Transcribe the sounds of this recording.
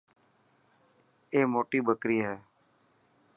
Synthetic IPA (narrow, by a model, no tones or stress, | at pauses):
eːmoːʈiːbəkɾiːɦɛː